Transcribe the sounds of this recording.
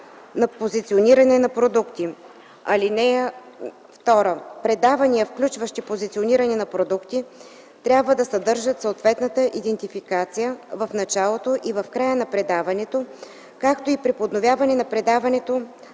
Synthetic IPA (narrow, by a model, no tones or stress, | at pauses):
nɐpozit̪sioniɾɐnɛnɐpɾod̪ukt̪i | ɐlinɛ | ft̪ɔɾəpɾɛd̪avɐniəfklʲut͡ʃvəʃt̪ipozit̪sioniɾɐnɛnɐpɾod̪ukt̪i | t̪ɾʲjabvəd̪ɐsɐd̪ɤɾʒət̪soːt̪vɛt̪nət̪əʔid̪ɛnt̪ifikat̪sijəvɐfnɐt͡ʃalˠot̪oʔivɐfkɾajənɐpɾɛd̪avɐnɛt̪o | kakt̪oipɾipod̪novʲjavɐnɛnɐpɾɛd̪avɐnɛt̪o